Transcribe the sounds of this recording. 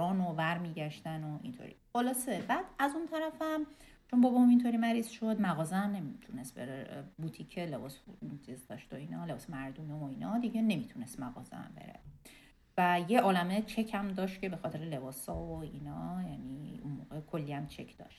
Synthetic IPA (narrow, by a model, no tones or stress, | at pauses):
ɾɒːnovæɾmiːɟæʃt̪ænoʔḭnt̪ʰo̰ɾḭxolɒːsebæd̪̥æzunt̪ʰæɾæfæm | t͡ʃʰonbɒbɒumint̪ʰoɾiːmæɾiːz̥ʃo̞d̪mæɣɒːzeæmne̞mit̪ʰunest̪̚be̞ɾebut̪ʰicʰe̞le̞bɒːsnt͡ʃʰizd̪ɒ̰ʃt̪oiːnɒle̞bɒːsemæɾd̪umevoiːnɒd̪iɟe̞ne̞mit̪ʰune̞st̪mæɣɒ̰ːzḛæ̰mbe̞̰ɾḛ | væjeʔɒːlæmet͡ʃʰe̞cʰæmd̪ɒːʃt̪̚cʰe̞be̞xɒːt̪ʰe̞ɾele̞bɒːsɒːvoiːnɒjæːniunmo̰ːɣekʰolːiæmt͡ʃʰe̞cʰd̪ɒ̰ːʃt̪̚